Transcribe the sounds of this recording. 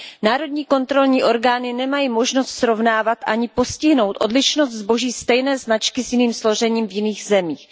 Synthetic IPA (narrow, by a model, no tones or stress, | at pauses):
naːɾo̞d̪ɲiːko̞nt̪ɾo̞lɲiːʔo̞ɾɡaːnɪnɛmajiːmo̞ʒno̞st̪sɾo̞vnaːvat̪ʔaɲɪpo̞scɪɦno̞wt̪ʔo̞dlɪʃnost̪zbo̞ʒiːst̪ɛjnɛːznat͡ʃkɪsjɪniːmslo̞ʒ̝ɛɲiːmvjɪniːxzɛmiːx